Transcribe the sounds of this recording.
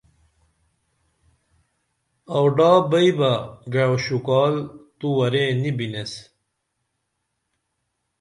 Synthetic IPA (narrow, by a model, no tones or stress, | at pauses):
ɐwɖaːbɐibɐɡaowɕukɑːlt̪uwɐɾenibines